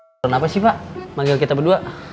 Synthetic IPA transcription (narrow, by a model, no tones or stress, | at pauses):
ɔnapasihpaʔmaŋɡɪlkit̪abəduaʔ